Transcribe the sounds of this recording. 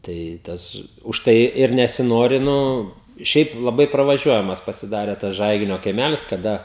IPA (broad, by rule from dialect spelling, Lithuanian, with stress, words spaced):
ˈtɐɪ ˈtɐs ʊʃˈtɐɪ ɪr nʲɛsʲɪˈnoːrʲɪ ˈnʊ ˈʃʲɛɪp lˠɐˈbɐɪ prɐʋɐˈʒʲuɔjɛmɐs pɐsʲɪˈdɑːrʲɛ tɐs ˈʒɐɪɡʲɪnʲoː kɐɪˈmʲælʲɪs kɐˈdɐ